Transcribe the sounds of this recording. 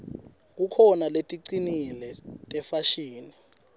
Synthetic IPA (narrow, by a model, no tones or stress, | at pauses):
k̬ukʰɔnaletʼiǀinilɛtʼɛfaʃiːni